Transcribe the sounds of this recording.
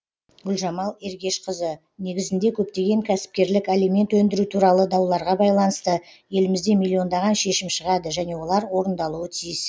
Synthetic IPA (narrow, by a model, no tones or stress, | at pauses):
ɡʲʏlʲʒɑmɑlˠe̞ɾɡʲe̞ʃqʰəzə | ne̞ɡʲɪzɪnd̪e̞kʲʰɵp̚t̪e̞ɡʲe̞ŋkʲʰæsɪ̥p̚kʲe̞ɾlɪkelime̞nt̪wɵnd̪ɪɾut̪ʰuɾɑlˠəd̪ɑwlˠɑɾʁɑbɑjlˠɑnəst̪əje̞lɪmɪzd̪e̞mʲilʲːio̞nd̪ɑʁɑnʃe̞ʃɪmʃəʁɑd̪əʒæne̞wo̞lˠɑɾwo̞ɾənd̪ɑlˠuət̪ʰijɪs